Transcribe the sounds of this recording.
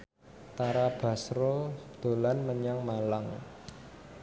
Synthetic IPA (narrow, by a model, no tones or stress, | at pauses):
t̪aɾab̥ä̤sɾod̪̥o̤lanməɲaŋmalaŋ